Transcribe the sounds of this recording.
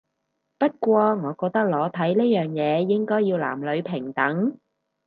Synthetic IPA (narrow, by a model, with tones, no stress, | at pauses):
pɐ˥t̚kʷɔː˧ŋɔː˨˧kɔː˧k̚t̪ɐ˥k̚lɔː˨˥t̪ʰɐ˨˥jne˥jœː˨ŋjɛː˨˧jɪ˥ŋkɔː˥jiː˧wla̰ː˨˩mlɵ˨˧ɥpʰɪ˨˩ŋt̪ɐ˨˥ŋ